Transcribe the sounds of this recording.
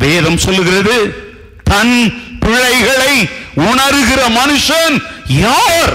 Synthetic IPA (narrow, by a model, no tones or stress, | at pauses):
ʋeːðɐmsɔlːɯɣɪrɐðɯ | t̪ɐnpɪɻɐɪɣɐɭɐɪʊɳɐɾɯɣɪrɐmɐnɯʂɐnjaːɾ